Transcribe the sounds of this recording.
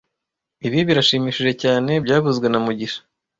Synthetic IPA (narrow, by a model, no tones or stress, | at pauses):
iβiβiɾaʃiːmiːʃiʒe̞caːne̞bɟaːβuzɡwe̞namuɟiʃḁ